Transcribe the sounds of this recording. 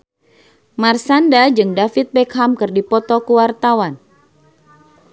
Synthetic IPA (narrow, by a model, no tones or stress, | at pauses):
marsandad͡ʒɨŋdafit̪̚bɛkɦamkɨrdipɔt̪ɔkuwart̪awan